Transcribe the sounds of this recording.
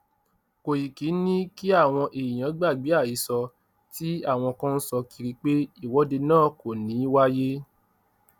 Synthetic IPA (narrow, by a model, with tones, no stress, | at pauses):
ko˨ji˨ki˨˦nĩ˦ki˦a˦˨w̃ɔ̃˧ʔe˨i˨jã˨˦ɡ͡ba˦˨ɡ͡bi˨˦a˦˨i˨˦sɔ˧ | ti˦a˦˨w̃ɔ̃˧kã˦n̩˦sɔ˧ki˧ɾi˧k͡pe˦i˦˨wɔ˨˦de˧nãː˦˨ko˨nĩ˨˦wa˦je˦